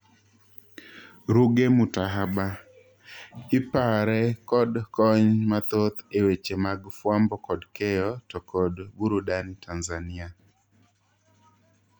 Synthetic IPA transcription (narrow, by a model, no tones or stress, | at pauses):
ɾuɡemʊtaɦaba | ɪpaɾɛkɔdkɔɲmat̪ot̪ewet͡ʃemaɡfwambɔkɔdkɛjɔtɔkɔdɡuɾudantʰanzanɪa